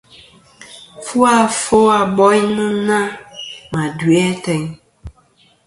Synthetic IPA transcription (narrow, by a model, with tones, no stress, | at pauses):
fu˦a˨fo˦a˨bɔ˦i˦nũ˦nã˦mã˨du˨ɛ˦tɛ˨ɲ